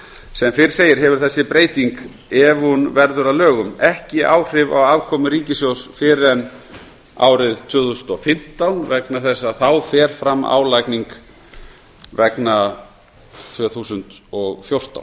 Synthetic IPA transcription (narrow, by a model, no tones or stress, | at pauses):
sɛmfɪɾɪ̥ɾ̥seːjɪɾ̥ɦɛvʏɾ̥θɛsːɪpɾeːjt̪iŋk | ɛvunvɛɾðʏɾavlœːɣʏmɛhcɪʔaːwr̥ɪva̰waːvkʰɔːmʏɾiːcɪsjowsfɪɾɛn | a̰ːwɾɪðt̪ʰvʏːθusʏnt̪ɔfɪm̥t̪awnvɛknaθɛsːaθawfɛːɾ̥fɾamːa̰ːwlajkniŋk | vɛkna | t̪ʰvœːθusʏnt̪ɔɣfjowr̥t̪a̰wn